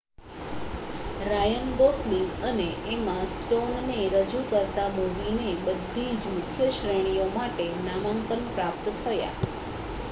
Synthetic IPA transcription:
ɾajənd̪osliŋɡəneemãsʈonːeɾəd͡ʒukəɾt̪amoʋinebəd̪ʱːid͡ʒmʊkʰjəʃɾəɽ̃ijomaʈenamaŋkənpɾap̚t̪t̪ʰəja̰

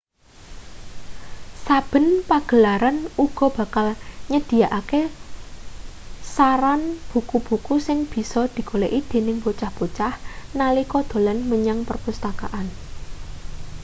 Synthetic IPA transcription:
sab̥ə̤npaɡ̥ə̤laɾanuɡ̥ɔ̤b̥a̤kalɲəd̪̥i̤jaʔake | saɾanb̥ṳkub̥ṳkusɪŋb̥i̤sɔd̪̥i̤koleʔid̪̥e̤nɪŋpot͡ʃahb̥ot͡ʃahnalikɔd̪̥o̤lanməɲaŋpərpust̪akaʔan

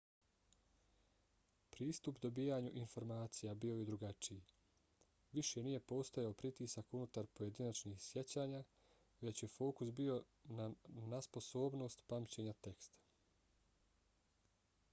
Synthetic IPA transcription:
pɾiːst̪upd̪o̞biːjaɲuʔinfo̞ɾmaːt̪sijabio̞jed̪ɾuɡat͡ʃiji | ʋiʃe̞nije̞po̞ːst̪o̞jaopɾit̪iːsakunut̪aɾpo̞je̞d̪inat͡ʃniːxsje̞t͡ɕaːɲaː | ʋe̞t͡ɕje̞fo̞ːkusbio̞ | nanaspo̞so̞ːbno̞ːst̪pamt͡ɕe̞ɲat̪e̞kst̪ḁ

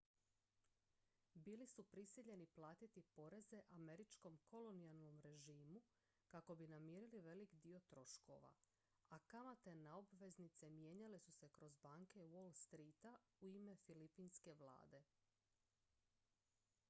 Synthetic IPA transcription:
biːlisupɾisiʎe̞niplˠaːt̪it̪ipo̞ɾe̞ze̞ʔame̞ɾit͡ʃko̞mko̞lo̞nialˠno̞mɾe̞ʒiːmu | kako̞binamiːɾiliʋe̞likd̪io̞t̪ɾo̞ʃko̞ʋa̰ | akamat̪e̞naobʋe̞znit̪se̞mje̞ːɲalesuse̞kɾo̞zbaːŋke̞wolˠst̪ɾiːt̪a | uime̞filipiːnske̞ʋlˠa̰ːd̪e̞

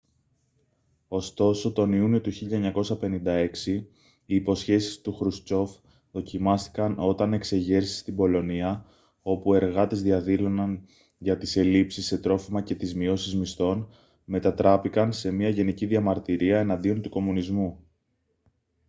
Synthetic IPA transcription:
o̞st̪o̞so̞t̪o̞niunio̞t̪uçiʎɐeɲɐko̞sɐpe̞nind̪ɐe̞ksiː | po̞sçe̞si̥st̪uxɾust͡so̞f | ðo̞cimɐst̪i̥kɐno̞t̪ɐne̞kse̞ʝe̞ɾsi̥st̪ibo̞lo̞niɐ | o̞pue̞ɾɣɐt̪e̞zðiɐðilo̞nɐn | ʝɐt̪ise̞lipsisːe̞t̪ɾo̞fimɐce̞t̪izmio̞sizmist̪o̞n | me̞t̪ɐt̪ɾɐpikɐnse̞miɐʝe̞niciðiɐmɐɾt̪iɾiɐe̞nɐnd̪io̞nt̪uko̞munizmu

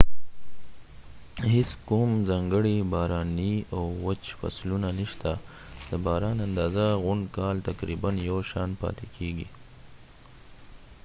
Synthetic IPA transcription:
hɪskumzɑŋɡəɽibɑːɾɑniawːat͡ʃfa̰slunaniʃt̪a | d̪̥əbɑːɾɑnand̪ɑːzaɣʊɳɖkɑlt̪akɾibanjawʃɑnpɑ̰t̪ekʰeɡḭ

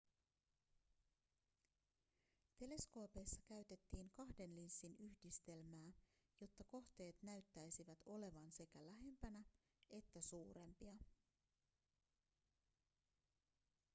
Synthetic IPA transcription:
t̪e̞le̞sko̞ːpe̞jsːɑkæɥt̪e̞t̪ːiːŋkɑhde̞nlinsːinyçdist̪e̞lmæː | jo̞t̪ːɑko̞ht̪e̞ːt̪næyɥt̪ːæjsiʋæt̪o̞le̞ʋɑnse̞kælæɦe̞mpænæ | e̞t̪ːæsuːɾe̞mpiɑ

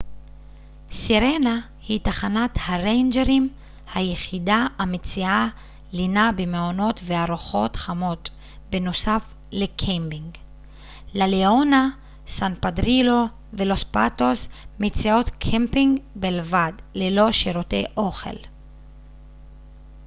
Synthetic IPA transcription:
siʁena | hitaχanathaʁejnd͡ʒeʁim | hajeχidaamet͡sia | linabemeono̞tveaʁuχo̞tχamo̞t | beno̞saf | lekʰembiŋɡ | laleona | sanpadʁilo̞ | velo̞spato̞smet͡sio̞tkʰempiŋɡbelvadlelo̞ʃiɾotḛjʔo̞χe̞̰l

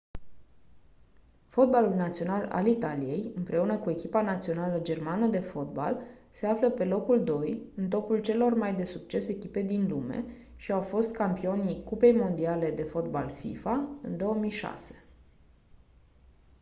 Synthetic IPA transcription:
fo̞t̪̚balulnat̪sio̞nala̰lit̪alije̞jɨmpɾʔe̞unəkue̞kʲipanat̪sio̞naləd͡ʒe̞rmanəd̪e̞fo̞t̪̚ba̰l | se̞afləpe̞lo̞kuld̪o̞jɨnt̪o̞pult͡ʃe̞lo̞rmajd̪e̞sukt͡ʃe̞se̞kʲipe̞d̪inlume̞̰ | ʃiawfo̞st̪kampio̞nikupe̞jmo̞nd̪iale̞d̪e̞fo̞t̪̚balfḭfaɨnd̪o̞əmijʃa̰se̞̥

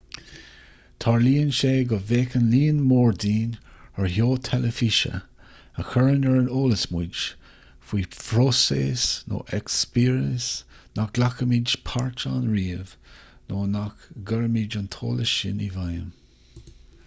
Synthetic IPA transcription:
t̪ʰaɹliːənʃeːɡɔveːkənliːənmɔːɹdiːnəɹhoːt̪ʰɛləfiʃə̰ | əxəɹənəɹənoːləsmud͡ʒ | fwiːpʰɾosḛːsno̰ːʔɛkspiːɹəsnak̚lakəmid͡ʒpʰaɹt͡ʃanɹiːəvnoːnakɡəɹəmid͡ʒantʰo̰ːləʃɪ̰nivajə̰m

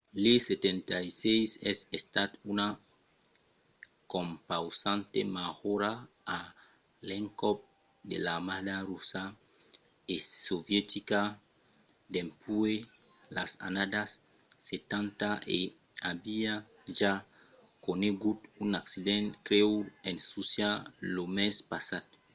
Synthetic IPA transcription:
leset̪ent̪ajsejsɛsest̪at̪una | kõmpawsãnt̪ḛmahoɾaː | leŋkɔp̚ | d̪ḛlamad̪aɾusa | esovjet̪ika | d̪empue | lasa̰nad̪asː | et̪ãnt̪aʔe | abia | ʒa | koneɡut̪unaksid̪ẽnkɾewensusjalomespasat̪̚

